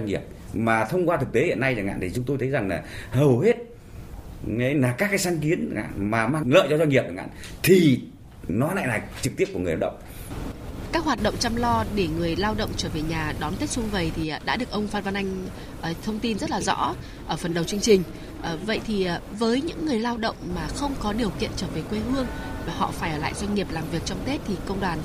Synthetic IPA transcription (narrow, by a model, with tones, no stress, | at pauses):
a˧ŋi˨˩əp̚ | maː˨˩t̪ʰə˧wŋ͡mkwaː˧t̪ʰɨ˨˩k̚t̪e˨˦hḭ˧˨ənːa˧jzaː˨˩ŋa̰ː˧˨nt̪i˨˩t͡ɕʊ˨˦ŋ͡mt̪o˧jt̪ʰə˨˦jza˨˩ŋlaː˨˩həː˨˩whe˦˥t̚ | ŋe˨˦laː˨˩kaː˦˥kːaː˨˦jsaː˨˦nki˨˦ənŋa̰ː˧˨maː˨˩maː˧ŋlə̰ː˧˨jt͡ɕɔ˧zwa˧ŋi˨˩p̚ə˨˩ŋʔa̰ː˧˨t̪ʰi˨˩ | nɔ˨˦a˧˦na̰˧˨nlaː˨˩t͡ɕɨ˨˩k̪̚i˦˥p̚u˧˩ŋ˨˩˨la˧˩ɗə̰˧˨wŋ͡m | kaː˦˥k̚ɦwaː˨˩t̚ɗə̰˧˨wŋ͡mt͡ɕa˧mlɔ˧ɗe˧˩ŋɨ˨˩əjlaː˧wɗə̰˧˨wŋ͡mt͡ɕəː˧˩ve˨˩ɲaː˨˩ɗɔ˨˦nt̪e˦˥t̚sʊ˧ŋ͡mvə˨˩jt̪ʰi˨˩˨ɗa̰ː˧˥ɗɨ˨˩ək̚ʔə˧wŋ͡mfaː˧t̚va˧nʔa˧jŋ̟ | ʔəː˨˩t̪ʰə˧wŋ͡mt̪i˧nzə˦˥t̚laː˨˩zɔ̰˧˥ | ʔəː˧˩fə˨˩nɗə˨˩wt͡ɕɨ˧əŋt͡ɕï˨˩ŋ̟ | ʔəː˨˩və̰˧˨jt̪ʰi˨˩ʔvəː˨˦jɲɨ̰˧˥ŋːɨ˨˩əjlaː˧wɗə̰˧˨wŋ͡mmaː˨˩xə˧wŋ͡mkɔ˨˦ɗi˨˩əwkḭ˧˨ənt͡ɕəː˧˩ve˨˩kwe˧ɦɨ˧əŋ | vaː˨˩hɔ̰˧˨faː˧˩jʔəː˧˩la̰ː˧˨jzwa˧ŋ̟ŋi˨˩əp̚laː˨˩mvi˨˩ək̚t͡ɕɔ˧wŋ͡mt̪e˦˥t̚t̪ʰi˨˩kə˧wŋ͡mɗwaː˨˩n